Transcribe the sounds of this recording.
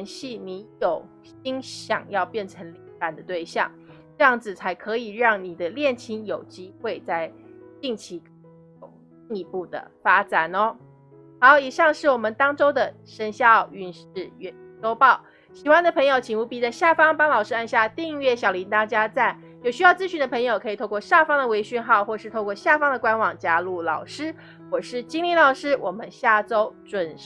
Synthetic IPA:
nɕi˥˩ni˧˥˦jo˨˩ʊ | ɕi˥ŋɕjɑ̰˨˩ŋjɑ˥˧ʊpjɛ˥˩nʈ͡ʂʰə˧˥ŋlpa˨˩nd̪ə˦t̪we˥˧ɪɕjɑ̰˥˨˩ŋʈ͡ʂɤ˥˧jɑ˥˩ŋd͡zɹ̩˨˩t͡sʰa˧˥ɪkʰɤ˧˥i˨˩ɻɑ˥˩ŋni˨˩d̪ə˦ljɛ˥˩nt͡ɕʰi˧˥njo˨˩ʊt͡ɕi˥xwe˥˧ɪt͡sa˥˧ɪt̪i˥˩ŋt͡ɕʰi˧˥k | ʊ˨˩ŋ | i˥˩ŋi˧pu˥˩d̪ə̰˩fa˥t͡sa˨˩nɔ˦ | xɑ˧˦ʊi˨˩ʂɑ˥˧ŋʂɻ̩˥˩wɔ˨˩mə˦nt̪ɑ˥ŋʈ͡ʂo˥ʊd̪ə˨ | ʂə˧˥nɕjɑ˥˧ʊy˥˧nʂɻ̩˥˩ɥɛ˧˥ʈ͡ʂo˥ʊpɑ˥˩ʊ | ɕi˨˩xwa˥nd̪ə˨pʰɤ˧˥ŋjo˧ʊt͡ɕʰi˨˩ŋu˧˥pi˨˩t͡sa˥˧ɪɕja˥˩fɑ˥ŋpɑ˥ŋlɑ˨˩ʊʂɻ̩˥a˥˧nɕja˥˧t̪i˥˧ŋi˥˧ɥɛ˥˩ɕjɑ˨˩ʊli˧˥nt̪a˥t͡ɕja˥t͡sa˥˩ɪ | jo˨˩ʊɕy˥jɑ˥˩ʊt͡sɹ̩˥ɕy˧˥nd̪ə˧pʰɤ˧˥ŋjo˨ʊkʰɤ˧˥i˨˩˥kwɔ˥˧ɕja˥˩fɑ˥ŋd̪ə˨we˧˥ɪɕy˥˧nxɑ˥˧ʊxwɔ˥˩ʂɻ̩ʰ˥˧˥kwɔ˥˧ɕja˥˩fɑ˥ŋd̪ə˨kwa˥nwɑ˨˩ŋt͡ɕja˥lu˥˩lɑ˨˩ʊʂɻ̩˥ | xwɔ˥˩ʂɻ̩˥˩t͡ɕi˥ŋli˥˩lɑ˨˩ʊʂɻ̩˥wʔɔ˨˩mə˦nɕja˥˩ʈ͡ʂo˥ʊʈ͡ʂwə˨˩n

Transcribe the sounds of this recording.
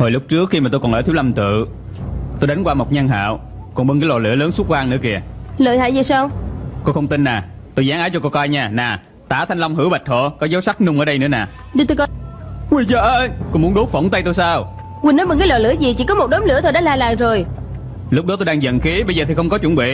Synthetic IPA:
ho˨˩jlʊ˦˥k͡p̚t͡ɕɨ˦˥əkxi˧maː˨˩t̪o˧jkɔ˨˩nʔəː˧˩t̪i˨˦˥wla˧mt̪ɨ̰˧˨ | t̪o˧jɗa˨˦jŋ̟kwaː˧˩mo˨˩t̚ɲa˧ŋɦa̰ː˧˨w | kɔ˨˩nɓə˧nkaː˨˦jlɔ̰˧˨˩lɨ̰˧˩ələː˨˦nsu˦˥t̚waː˧ŋnɨ̰˧˥əki˧˩ələː˧˨jha̰ː˧˨jzi˨˩saː˧wko˧xə˧wŋ͡mt̪i˧nːaː˨˩ | t̪o˧jzaː˨˦ŋʔaː˨˦˥t͡ɕɔ˧ko˧ka˧jɲaː˧˩naː˨˩ | t̪aː˧˩t̪ʰa˧jŋ̟la˧wŋ͡mɦɨ̰˧˥wɓə˨˩k̟̚t̪ʰo̰˧˨kɔ˨˦zə˨˦wsa˦˥k̚nʊ˧ŋ͡mʔəː˧˦ɗə˧jnɨ̰˧˥ənaː˨˩ | ɗi˧˩t̪o˧kɔ˧kwi˧˩zəː˧˩ʔkɔ˧mu˨˦ənɗo˨˦˥t̚fə̰˧˩wŋ͡mt̪ə˧jt̪o˧jsaː˧w | kwi˧˩nɔ˨˦jɓə˧nka˨˦jlɔ̰˧˨lɨ˧˥əzi˨˩t͡ɕḭ˧˩kɔ˨˦mo˨˩t̚ɗɔ˨˦mlɨ˧˥ət̪ʰo˧˩ɗa̰ː˧˥laː˨˩laː˨˩ŋzo˨˩j | lʊ˦˥k͡p̚ɗɔ˨˦t̪o˧jɗaː˧ŋzə̰˧˨nxi˨˦ɓə˧jzəː˨˩t̪ʰi˨˩xə˧wŋ͡mkɔ˨˦t͡ɕwə˧˩nɓḭ˧˨

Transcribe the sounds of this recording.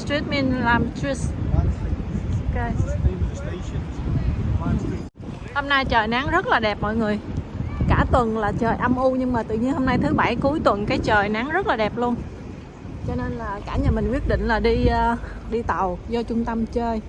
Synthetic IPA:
stɹi˦˥t̚mi˧nlaː˨˩mtɹi˦˥s | ke˧t̪ | ho˧mna˧jt͡ɕəː˨˩jna˨˦ŋzə˦˥t̚laː˨˩ɗɛ˨˩p̚mɔ̰˧˨jŋɨ˨˩əjkaː˧˩t̪wə˨˩nlaː˨˩t͡ɕəː˨˩jʔa˧mʔu˧ɲɨ˧ŋmaː˨˩t̪ɨ̰˧˨ɲi˧ənho˧mna˧jt̪ʰɨ˨˦ɓa˧˩jku˨˦jt̪wə˨˩nkaː˨˦jt͡ɕəː˨˩jna˨˦ŋzə˦˥laː˨˩ɗɛ˨˩p̚lu˧ən | t͡ɕɔ˧ne˧nlaː˨˩kaː˧˩ɲə˨˩mï˨˩ŋ̟wi˦˥ət̚ɗḭ̈˧˨ŋ̟laː˨˩ɗiː˧ | ɗi˧t̪ə˨˩wzɔ˧t͡ɕʊ˧ŋ͡mt̪ə˧mt͡ɕəː˧j

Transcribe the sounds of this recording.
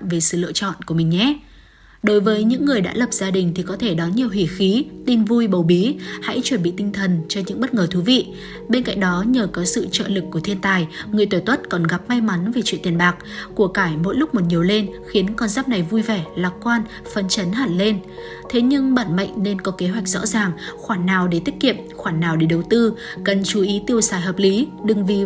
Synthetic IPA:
ve˨˩sɨ̰˧˨lɨ̰˧˨t͡ɕɔ̰˧˨nku˧˩əmï˨˩ŋ̟ɲɛ˦˥ | ɗo˨˦jvəː˨˦jɲɨ̰˧˥ŋːɨ˨˩əjɗa̰ː˧˥lə˨˩p̚z̥aː˧ɗï˨˩ŋ̟t̪ʰi˨˩kɔ˨˦t̪ʰe˧˩ɗɔ˨˦nɲi˨˩əwɦi˧˩xi˨˦t̪i˧nvu˧jɓə˨˩wɓi˨˦ha̰˧˥jt͡ɕwə˧˩nɓḭ˧˨t̪i˧ŋt̪ʰə˨˩nt͡ɕɔ˧ɲɨ̰˧˥ŋɓə˦˥t̚ŋəː˨˩t̪ʰu˨˦vḭ˧˨ | ɓe˧nka̰˧˨ŋ̟ɗɔ˨˦ɲəː˨˩kɔ˨˦sɨ̰˧˨t͡ɕə̰ː˧˨lɨ˨˩k̚ːu˧˩ət̪ʰi˧ənt̪aː˨˩jŋɨ˨˩əjt̪o˧˩t̪wə˦˥t̚kɔ˨˩nɣa˨˩p̚ma˧jma˨˦nve˨˩t͡ɕwḭ˧˨nt̪i˨˩ənɓaː˨˩k̚ku˧˩əkaː˧˩jmo̰˧˥jlʊ˦˥k͡p̚mo˨˩t̚ɲi˨˩əwle˧nxi˨˦ənkɔ˧nzaː˦˥p̚na˨˩jvu˧jvɛ˧˩laː˨˩kwaː˧n | fə˨˧˩nt͡ɕə˨˦nɦa̰ː˧˩nle˧n | t̪ʰe˨˦ɲɨ˧ŋɓa̰ː˧˩nmə̰˧˨jŋ̟ne˧nkɔ˨˦ke˨˦ɦwa˨˩jk̚zɔ̰˧˥zaː˨˩ŋxwaː˧˩nːaː˨˩wɗe˧˩t̪i˦˥ət̚kḭ˧˨əmxwaː˧˩nːaː˨˩wɗe˧˩ɗə˨˩wt̪ɨ˧kə˨˩nt͡ɕu˨˦ʔi˨˦t̪i˧əwsaː˨˩jɦəː˨˩p̚li˨˦ɗɨ˨˩ŋvi˨˩

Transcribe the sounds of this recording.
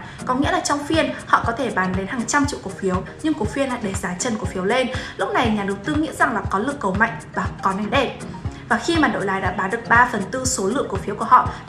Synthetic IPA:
kɔ˨˦ŋḭ˧˥laː˨˩t͡ɕwŋ͡mfi˧ənhɔ̰˧˨kɔ˨˦t̪ʰe˧˩ɓaː˨˦nɗe˨˦nhaː˨˩ŋt͡ɕa˧mt͡ɕḭ˧˨ku˨˩k̚fi˨˦əwɲɨ˧ŋku˨˩ək̚fi˧ənla̰ː˧˨ɗe˧˩zaː˨˦t͡ɕə˨˩nku˧˩əfi˨˦əwle˧nlʊ˦˥k͡p̚na˨˩jɲaː˨˩ɗə˨˦wt̪ɨ˧ŋḭ˧˥za˨˩ŋlaː˨˩kɔ˨˦lɨ˧˨əŋkːə˨˩wma̰˧˨jŋ̟vaː˨˩kɔ˨˦na˨˩˦ŋɗe˧˩ | vaː˨˩xi˧maː˨˩ɗo̰˧˨laː˨˦jɗa̰ː˧˥ɓaː˨˦nɗɨ˨˩ək̚ɓaː˧fə˨˩nt̪ɨ˧so˨˦lɨ̰˧˨əŋku˨˩k̚fi˨˦wku˧˩əhɔ̰˧˨

